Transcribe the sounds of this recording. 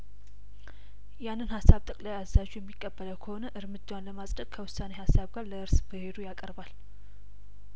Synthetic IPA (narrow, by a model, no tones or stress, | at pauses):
janːɨnhasːaβt̪ʼəkʼlajazːaʒujɛmːikʼːəbːələwkʰəho̞nəʔɨɾmɨd͡ʒːawanləmasʼdəkkʰəwʊsːanehasːaβɡaɾləɨɾsbɨhe̞d̪ujakʼəɾbal